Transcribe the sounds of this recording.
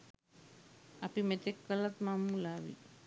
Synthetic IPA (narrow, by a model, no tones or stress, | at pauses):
apimet̪ekːəlat̪mamːulaːʋḭ